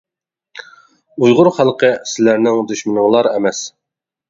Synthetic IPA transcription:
ujʁʊɾχælˠqəsɪlæɾnɪŋd̪yʃmɪnɨŋlˠɑɾɛmɛs

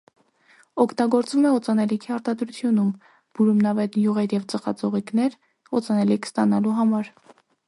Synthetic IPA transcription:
ɔkʰt̪ɑɡɔɾt͡svumɛɔt͡sɑnɛlikʰiɑɾt̪ɑd̪ɾut͡sʰjunum | b̥uɾumnɑvɛt̪njuʁɛɾjɛvt͡səχɑ̰t͡sɔʁiknɛɾ | ɔt͡sɑnɛlikʰst̪ɑnɑluɦɑmɑɾ

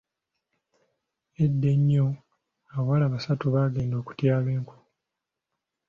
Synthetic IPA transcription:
e̞dːe̞ɲːo | awwalaːβasatuβaɡe̞ːndo̞ːku̥tjaːlweːŋku̥

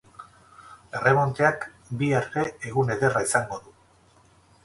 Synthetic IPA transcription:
e̞re̞mo̞nt̪eak | biaɾte̞ːɣune̞ðe̞raisaŋɡo̞ðu

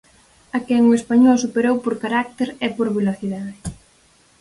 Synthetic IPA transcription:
akɛŋʊespaɲɔlsupeɾowpoɾkaɾak̚t̪eɾepoɾβeloθiðaðɪ

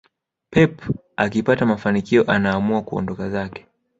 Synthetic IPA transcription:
pɛp | akipatamafanikiɔʔanaːmuakuɔ̰ndɔkazakɛ̥

